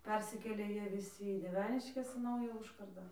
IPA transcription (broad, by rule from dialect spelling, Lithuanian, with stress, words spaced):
ˈpʲɛrʲsʲɪkʲeːlʲeː ˈjiɛ ʋʲɪˈsʲɪ iː dʲiɛˈʋʲæːnʲɪʃʲkʲɛs iː ˈnɐʊjæː ˈʊʃkɐrdɑː